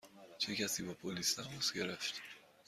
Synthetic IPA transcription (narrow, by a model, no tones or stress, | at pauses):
t͡ʃʰecæsiːbɒpʰolisd̪æmosɟe̞ɾæft̪